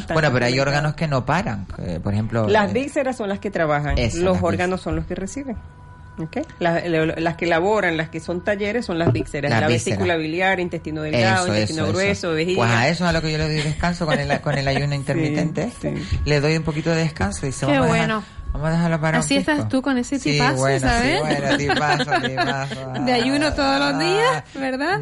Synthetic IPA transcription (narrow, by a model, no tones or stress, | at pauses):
b̪wenopeɾoajo̞ɾɣano̞ske̞nopaɾaŋḛpoɾexe̞mplolazβikse̞ɾasso̞nlaske̞t̪ɾaβaxaŋeslosoɾɣanosːo̞nlo̞ske̞resiβe̞ŋ | okejlalaske̞laβo̞ɾaŋlaskeso̞nt̪aʝe̞ɾesːo̞nlazβikseɾasalaβiesiekulaβiljaɾint̪est̪inoðeleɡaððoinoeet̪inoɣɾwesoeβesiwesaesoesalo̞keʝoleðojðeskansokoneko̞nne̞laʝunoint̪eɾmit̪ent̪eehteḭleðojumpo̞kit̪oðeðehkansoðiseβeββwenobamohaðeɦaloβaɾaasieest̪ast̪ukonesesiipaβwesaβent̪ipasipasd̪eaʝunot̪oðoslozðias | βeɾða